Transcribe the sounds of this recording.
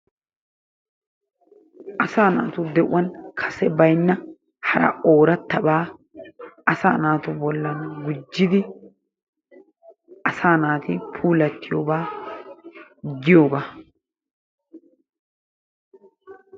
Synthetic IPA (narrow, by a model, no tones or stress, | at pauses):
ʔɐsaːnaːt̪ʊd̪ɛʔʊwɐnkʰɐ̥sɛbɐjnːɐ | hɐɾɐ̰ʔo̞ːɾɐt̪ːɐbaː | ɐsaːnaːt̪ʊbɔlːɐnɡʊd͡ʒːɪd̪ɪ | ʔɐsaːnaːt̪ɪpʰuːlɐt̪ːɪjo̞ːbaː | ɡɪjo̞ːbaː